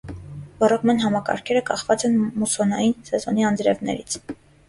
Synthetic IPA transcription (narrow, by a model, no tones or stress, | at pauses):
vɑrɔkmɑnɦɑmɑkɑ̰ɾkʰɛɾəkɑχvɑt͡sɛnmusɔnɑjinsɛzɔniɑnd̪ɾɛvnɛ̰ɾit͡sʰ